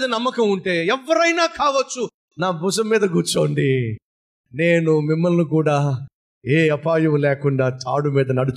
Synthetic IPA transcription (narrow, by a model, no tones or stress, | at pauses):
d̪ɐnɐmːɐkɐmuɳʈe̞ːɛʋːɐɾɐjnaːkaːʋɐt͡ʃːu | naːbusɐmːiːd̪ɐɡuːt͡ʃo̞ːɳɖi | ne̞ːnumimːɐlnikuːɽaː | eːɐpaːjɐmlɛːkuɳɖaːt͡ʃa̰ːɽumiːd̪ɐnɐɽut͡ʃ